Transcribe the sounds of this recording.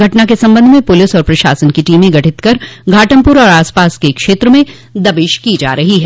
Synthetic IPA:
ɡʱɐʈnakesɐ̃mbə̃nd̪ʱmẽpʊlɪsɔːɾpɾɐʃa̰ːsənkiʈiːmẽɡʱɐʈʰɪt̪kɐɾɡʱaːʈəmpʊɾɔːɾaːspaːskekʃeːt̪ɾəmẽ | d̪ɐbɪʃkid͡ʒa̰ːɾɐɦiɦɛː

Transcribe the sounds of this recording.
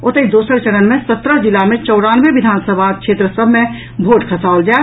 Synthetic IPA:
ʊt̪əid̪uːsəɾt͡ʃəɽənmẽsət̪ɾəd͡ʒɪlamẽt͡ʃɔːɽaːnʋeʋɪd̪ʱaːnsəbʱakʃeːt̪ɾəsəbʱmẽ | bʱoːʈkʰəsaːʊld͡ʒa

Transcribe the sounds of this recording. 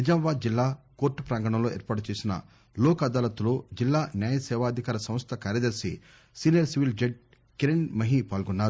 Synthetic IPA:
nid͡ʒɐmɐʋaːd̪̚d͡ʒilːaːkoːɾʈːupɾaːŋɡɐɳɐmlo̞ːeɛ̰ːɾpaːʈut͡ʃeːsinɐ̰ | lɔːkɐd̪aːlɐt̪uloːd͡ʒilːaːnjaːjɐsɛːʋaːɐd̪ʱikaːɾɐsɐ̃m̃st̪ʰɐkaːɾjɐd̪ɐɾsi | siːnijɐɾsiʋild͡ʒeɖ̚ | kiɾeɳmɐɦipaːlɡɔnːaːɾu

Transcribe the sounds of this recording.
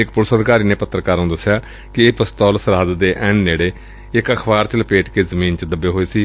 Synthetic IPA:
ɪkpʊɾsəd̪kaːɾiːneːpət̪ːɾəkaːɾũːd̪əsːɪjaː | kɪeːpəst̪ɔːlsəɾəd̪d̪eːʔɛ̃ːnːeːɽeː | ɪkəkʰbaːɾt͡ʃələpeːʈkeːzəmiːnt͡ʃəd̪əbeːɦoːeːsiː

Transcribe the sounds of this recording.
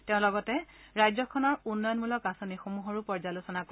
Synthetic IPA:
tɛ̃ʊ̃lɔɡɔtɛ | ɹajzɔkʰɔnɔɹunːɔjɔnmulɔkasonixomuɦɔɹupɔɹzalosɔnak

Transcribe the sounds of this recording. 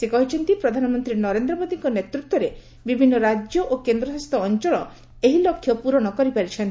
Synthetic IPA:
sekɔɦit͡ʃʰɔnt̪ipɾɔd̪ʱanɔmɔnt̪ɾinɔɾend̪ɾɔbod̪iŋkɔnet̪ɾut̪wɔɾe | bibʱinːɔɾad͡ʒjɔʔokend̪ɾɔsast̪ʰɔːnt͡ʃɔɭɔ | eɦilɔkʰːjɔpuɾɔɽ̃ɔkɔɾipaɾit͡ʃʰɔnt̪i

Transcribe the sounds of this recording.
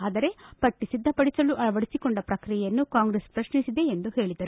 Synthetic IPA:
aːd̪ɐɾe̞pɐʈːisid̪ʱːɐpɐɽisɐluʔɐɐʋɐɽisikoɳɖɐpɾɐkɾijɛjɐnːukaːŋɡɾespɾɐʃnisid̪e̞ːnd̪uhe̞ːɭid̪ɐɾu

